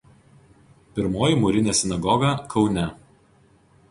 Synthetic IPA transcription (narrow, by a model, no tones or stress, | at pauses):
pʲɪɾmoːjiˑmʊɾʲɪnʲɛːsʲɪnɐɡɔɡɐkʰɒʊnʲɛ